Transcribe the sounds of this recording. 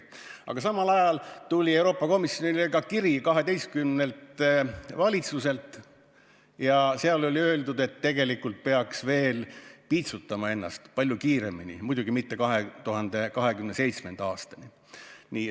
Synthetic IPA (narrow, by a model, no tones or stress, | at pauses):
ʔɑ̰ɡ̥ɑsɑmɑlɑjɑlt̪ulʲie̞wɾo̞ːpːˑɑko̞misjo̞nileɡɑkiɾikɑɦe̞d̪e̞jst̪̚kymne̞lt̪vɑlʲit̪suse̞lt̪ːˑ | jɑseɑlo̞lʲiø̞ːld̪ud̪e̞t̪ːe̞ɡ̥e̞likːult̪̚pe̞ɑksve̞ːlpiːt̪sut̪ːˑɑmɑe̞nːɑ̰st̪pɑlʲjukiːɾe̞̰minḭmujd̪̥uɡ̥imit̪ːe̞kɑɦe̞t̪uɦɑnd̪̥e̞kɑɦe̞kymne̞se̞jt̪sme̞nd̪ɑːst̪ɑni | niː